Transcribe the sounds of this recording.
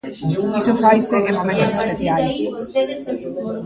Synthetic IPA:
isofajseɣemmomẽnt̪osespeθjals

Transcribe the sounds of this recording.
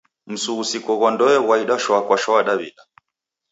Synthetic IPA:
m̩suːsikɔɣɔndɔɛwaiɗaʃwakwaʃɔaɗaβḭɗa

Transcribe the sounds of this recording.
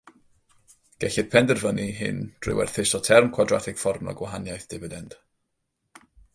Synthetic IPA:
ɡ̥ɛɬɪd̥̚pʰɛndərvəniɦɪ̰nd̥rɪ̰wɛ̰rθɪsɔtʰɛrmkʰwadratʰɪɡ̥fɔrmɔ̰ɡwaɦanjajθd̥ɪvədɛnd̥

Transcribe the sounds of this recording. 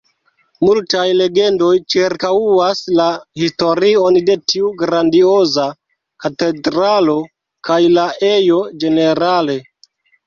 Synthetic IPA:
multajle̞ɡe̞ndo̞jt͡ʃiɾkawuaslahisto̞ɾio̞nde̞tʰiuɡɾandio̞za | kate̞dɾalo̞ | kajlaʔe̞jo̞d͡ʒe̞ne̞ɾale̞

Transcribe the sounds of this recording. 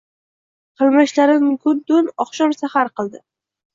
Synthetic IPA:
qʰɨlˠmɪʃlaɾɪnkʰʊɾd̪ʊnɒχʃɒmsahaɾqɨlˠd̪ɪ

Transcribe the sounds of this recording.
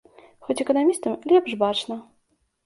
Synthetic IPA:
xɔt͡sʲɛkɐnamʲist̪ɐmlʲɛpʂbat͡ʂnɐ

